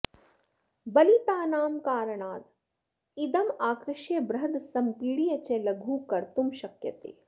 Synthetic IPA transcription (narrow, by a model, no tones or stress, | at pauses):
bɐlip̪aːnaːmkaːɾəɽ̃aːd̪ | id̪ɐmaːkɾɪʃjebɾɐɦd̪sɐmpiːɽijɐt͡ʃeːlɐɡʱuːkɐɾt̪umʃɐkjɐt̪ḛː